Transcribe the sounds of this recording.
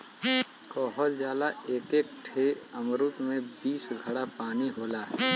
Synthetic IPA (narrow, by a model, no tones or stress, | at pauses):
kɔːɦɔt̪zjaːd̪aeːkeːk̚ʈʰeəmɾut̪mẽbiːsɡʱɐɽapaːniɦoːlaɦɛː